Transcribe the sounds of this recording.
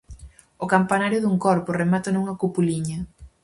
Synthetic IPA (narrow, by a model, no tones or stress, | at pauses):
ʊkampanaɾjʊðuŋkɔɾpʊremat̪ɐnuŋɐkupuliɲɐ